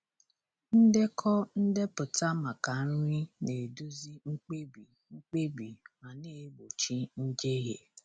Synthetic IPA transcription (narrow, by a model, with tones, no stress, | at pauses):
n̩˦de˦kʰɔ˦n̩˦de˦pʊ˨ta˦ma˨ka˨˦ɾʊ˦ɾi˦ne˨du˦zi˦ŋ͡m̩˦k͡pe˦bi˨ | ŋ͡m̩˦k͡pe˦bi˨ma˨ne˦˨˦bo˨t͡ʃi˦n̩˦d͡ʒe˦ɦḛ˨